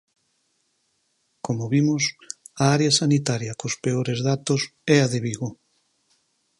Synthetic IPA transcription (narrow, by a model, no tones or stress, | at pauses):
komoβimʊsaaɾeɐsanit̪aɾjɐkospeoɾezðat̪ʊsɛaðeβiɣo